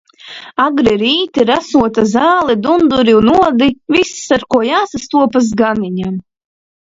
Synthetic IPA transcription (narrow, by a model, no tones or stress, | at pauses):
aɡɾiɾiːt̪iɾasuɔt̪azaːlˠɛd̪und̪uɾiunuɔd̪ivissaɾkuɔjaːsast̪uɔpas̬ɡaniɲam